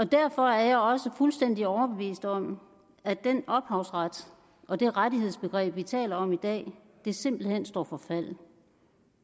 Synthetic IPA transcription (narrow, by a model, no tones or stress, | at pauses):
ɒ̽d̥æɐ̰fɒ̽æɐjɑ̈ɪɒ̽səfulsd̥en̰d̥iɒʊɐb̥e̝ʋḭːsd̥ɒ̽m̰ | æd̥enɒ̽b̥hɑ̈ʊsʁad̥ | ʔɒ̽d̥e̝ʁadihe̝ð̞̰ˠsb̥e̝ɡ̥ʁɛ̰ːb̥ʋit͡sʰɛ̰ːlɐɒ̽mid̥ɛ̰ː | d̥e̝se̝m̰b̥l̩hen̰sd̥ɒ̰ːfɒ̽fæl̰